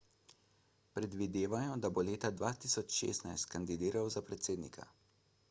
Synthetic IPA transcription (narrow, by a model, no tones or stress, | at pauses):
pɾɛd̪ʋid̪eːʋajɔd̪aboleːt̪ad̪ʋaːt̪isɔt͡ʃʃḛːst̪najst̪̚kand̪id̪iːɾawzapɾɛt̪seːd̪nḭkʰa̰